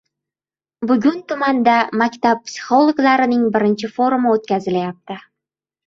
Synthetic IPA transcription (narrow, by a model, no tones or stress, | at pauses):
bʊɡʲʊnt̪ʊmand̪amakʲt̪ap̚pːsʲɪ̥χo̞lˠoɡlˠaɾɪnɪŋbɪɾɪnt͡ʃɪfo̞ɾumɪot̪̚kʲazɪlajap̚t̪ɪ